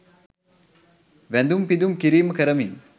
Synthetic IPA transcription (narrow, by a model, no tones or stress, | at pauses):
ʋænd̪umpid̪umkiɾiːməkəɾɐmiŋ